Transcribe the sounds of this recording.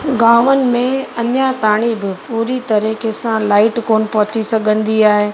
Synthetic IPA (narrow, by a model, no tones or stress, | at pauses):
ɡaːʋənɪ̆mẽɐɲjat̪aːɽ̃ibɪpuːɾit̪ɐɾikesãlaːɪʈkoːnɪ̆pɐɦʊ̃t͡ɕisɐɡʱə̃nd̪iaːɦeː